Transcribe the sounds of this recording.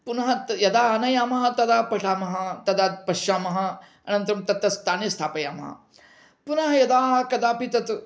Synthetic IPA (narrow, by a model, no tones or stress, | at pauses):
punɐɦɐt̪jɐd̪aːɐnɐjaːmɐɦɐt̪ɐd̪aːpɐʈaːmɐɦɐt̪ɐd̪aːt̪̚pɐʃaːmɐɦɐ | ɐnɐ̃nt̪ɾɐmt̪ɐt̪ɐst̪aːnest̪ʰaːpɐjaːmɐ̰ɦɐ̰ | punɐɦɐjɐd̪aːɦɐkɐd̪aːpit̪ɐt̪